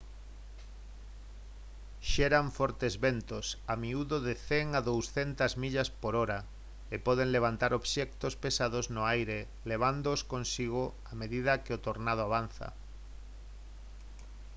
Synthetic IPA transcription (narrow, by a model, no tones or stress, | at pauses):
ʃɛɾaɱfɔɾt̪ezβent̪osamiuðoðɪθeŋaðowsθent̪azmiʎaspoɾɔɾa | epɔð̞eŋleβ̞ant̪aɾoβʃɛk̚t̪ospesað̞oznʊajɾe | leβ̞and̪oskõnsiɣ̞o | ameðið̞ɐkɪot̪oɾnað̞oaβ̞an̟θɐ̰